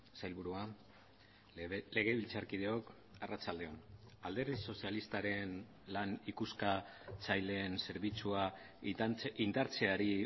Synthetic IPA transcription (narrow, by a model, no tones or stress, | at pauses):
sajlβuɾua | le̞ɣe̞βilt͡saɾkið̞e̞o̞k | arat͡sald̪e̞o̞nald̪e̞ɾðiso̞sialist̪aɾe̞n | lanikuskat͡sajle̞ːnse̞ɾβit͡sua | ind̪aɾt͡se̞aɾi